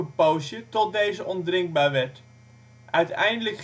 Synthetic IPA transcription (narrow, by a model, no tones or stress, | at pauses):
əpowsjətɔt̚dejzəʔɔndrɪŋɡ̚baːɹʋɛɹt | ʔœɥtɛjndələk